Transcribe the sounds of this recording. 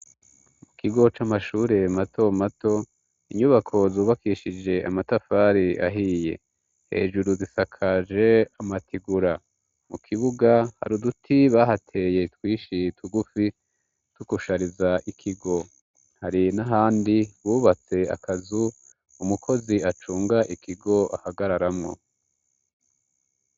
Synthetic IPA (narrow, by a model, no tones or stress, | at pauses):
mukiɡo̞t͡ʃamaʃuːɾe̞mato̞mato̞ | iɲuβakʰo̞zuːβakiːʃid͡ʒe̞ʔa̰matafaːɾiʔa̰ɦiːje̞̰ | he̞̰ːʒuɾuzisakʰad͡ʒe̞amatʰiɡuɾa | mukʰiβuɡaha̰ɾudutʰiβaɦatʰe̞je̞twiːʃitʰuɡufi | tukuʃaɾizaʔikʰiɡo̞ | haɾinaɦaːndiwuːβat͡se̞a̰kʰazu | umukʰo̞ziat͡ʃuːŋɡaʔikʰiɡo̞ʔa̰haɡaɾaɾamŋo̞̰